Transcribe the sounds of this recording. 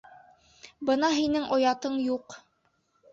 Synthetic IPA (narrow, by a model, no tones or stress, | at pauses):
bɤn̪ɑɦinɘŋʔŏjɑt̪ɤɴjuq